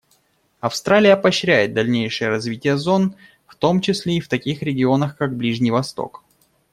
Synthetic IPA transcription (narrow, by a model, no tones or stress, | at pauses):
ɐfst̪ɾalʲɪjəpɐɕɾʲæjɪt̪̚d̪ɐlʲnʲejʂɨjəɾɐzvʲitʲɪjəzo̞n | ft̪o̞mt͡ɕɪsʲlʲeift̪ɐkʲixɾʲɪɡʲɪo̞nəxkaɡ̚blʲiʐnʲɪjvɐst̪o̰k